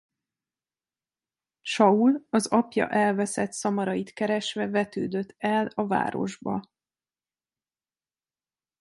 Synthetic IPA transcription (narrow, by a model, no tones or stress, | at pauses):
ʃɒulɒzɒpjɒ̰ʔɛlvɛsɛt̪sɒmɒɾɒjit̪kɛɾɛʃʋɛvɛt̪ø̰ːd̪ø̞t̪ʰːɛlɒva̰ːɾo̞̰ʒbɒ